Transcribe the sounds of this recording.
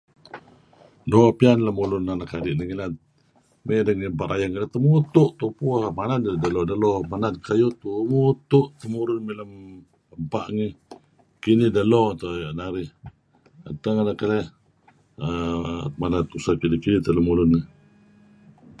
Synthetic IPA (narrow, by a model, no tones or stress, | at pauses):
nopianləmulʊnːanakadiʔnəŋilat̪̚ | medəŋimpaʔɾʔajaŋkələht̪əmut̪uʔt̪upuhmanad̪dəlɔdəlɔmanat̪̚kʰajut̪umut̪uʔt̪əmuɾʊnmiləm | əmpaʔŋi | kinihdəlot̪oaʔnaɾih | a̰t̪aŋanakəlɛ | əmanat̪usakidikidit̪ələmulʊnːi